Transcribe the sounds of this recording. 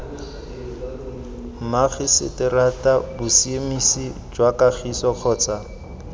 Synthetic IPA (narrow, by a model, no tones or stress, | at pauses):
maχɪsɪ̰tɪratabʊsiemisid͡ʒwakaχʰisɔq͡χʰɔːt͡sa